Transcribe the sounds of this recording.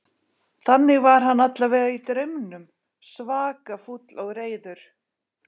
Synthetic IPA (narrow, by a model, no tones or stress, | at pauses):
θanːɪɣvaɾ̥ɦanːat̪lavɛːɣait̪ɾœɥmnʏm | svaːkafut̪lɔɣɾeːjðʏɾ̥